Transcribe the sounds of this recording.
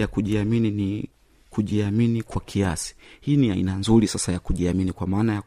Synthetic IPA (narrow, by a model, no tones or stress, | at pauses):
jakuʄiaminini | kuʄiaminikwakʰiasi̥hiːniaḭnanzuɾisasajakuʄiaminikwamaːnaja